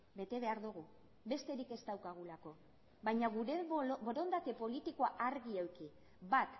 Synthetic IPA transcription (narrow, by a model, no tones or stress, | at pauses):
be̞t̪e̞βe̞aɾðuɣ̞u | βbe̞st̪e̞ɾike̞st̪awkaɣ̞ulako̞ | βajɲaɣuɾebo̞ɾo̞nd̪ake̞po̞lit̪ikoaʔaɾɣiewki | bat̪